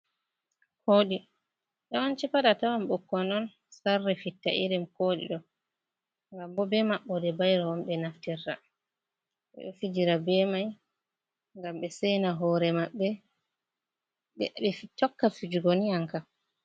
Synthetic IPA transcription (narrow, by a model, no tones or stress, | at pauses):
hoːɗi | ɗawant͡ʃɛpaɗatawamɓɔkːɔnɔn | sarːɛfitːa̰ʔiɾɛmkoɗḭɗɔ | ŋɡambɔbɛmaɓːɔdɛbajɾawɔmɓɛnaftirːa̰ | ɓɛ̰ɔfid͡ʒiɾabɛmaj | ŋɡamɓɛsɛjnaɦɔɾɛmaɓːɛ | ɓɛɓɛfitːɔkːafid͡ʒuɡoniaŋka